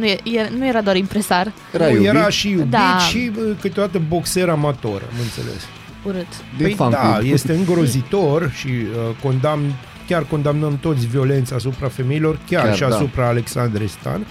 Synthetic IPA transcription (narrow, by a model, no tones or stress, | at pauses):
nuejenujeɾad̪oaɾimpɾesar | ɾajeɾaʃijubd̪iʃikɨt̪eo̞d̪at̪əbo̞kse̞ɾamat̪o̞ɾa̰mɨnt̪se̞̰lḛs | uɾɨt̪ | əjd̪ajest̪e̞ɨŋɡɾo̞zit̪o̞rʃiəko̞nd̪amn | kʲarko̞nd̪amnəmt̪o̞t̪sʲvio̞le̞nt̪sas̬upɾafe̞me̞ilo̞rkʲarʃiasupɾaːle̞ksand̪ɾest̪a̰n